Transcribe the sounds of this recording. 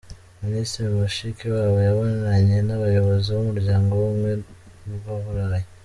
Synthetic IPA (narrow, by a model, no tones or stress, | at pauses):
ministɾiɾiβoʃikiwaːβojaβonaɾaɲe̞naβajo̞βo̞ziβomuɾuɟaːŋɡoβomwe̞ | nuβaβuɾaɾaje